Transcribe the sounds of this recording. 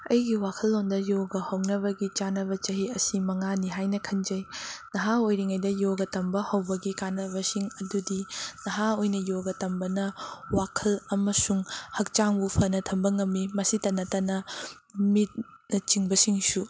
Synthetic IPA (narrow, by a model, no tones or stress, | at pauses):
ɐjɡiwakʰɐlːondɐjoɡɐhɐwnɐβɐɡit͡ʃanɐbɐt͡ʃɐɦiɐsimɐŋaniɦajnɐkʰɐnd͡ʒɐjnɐɦaojɾiŋajdɐjoɡɐtɐmbɐhɐwbɐɡikanɐbɐsiŋɐdudinɐɦaojnɐjoɡɐtɐmbɐnɐwakʰɐlɐmɐsuŋhɐk̚t͡ʃaŋbupʰɐnɐtʰɐmbɐŋɐmːimɐsitɐnːɐtɐnɐ | mit̚ | nɐt͡ʃiŋbɐsiŋsu